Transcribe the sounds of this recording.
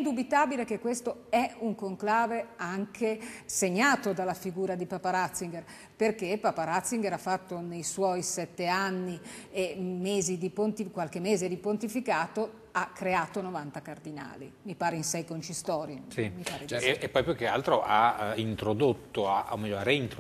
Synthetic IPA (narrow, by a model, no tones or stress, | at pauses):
ind̪ubit̪aːbilekekːwest̪oɛuŋkoŋklaːveaŋkʰeseɲːaːt̪od̪alːafiɡuːɾad̪ipaːpaɾat̪sːiŋɡer | perkepaːpaɾat̪sːiŋɡeɾafːat̪ːonejswɔjsɛt̪ːeanːiemeːzid̪ipont̪ikwalkemːeːzed̪ipont̪ifikaːt̪o | akːɾeaːt̪onovant̪akard̪ina̰ːlḭmipaːɾeinsɛjkont͡ʃist̪ɔːɾjesimipaːɾeepːɔjpukealt̪ɾoʔaint̪ɾod̪ot̪ːoa̰ʔo̰mɛʎːoaɾeint̪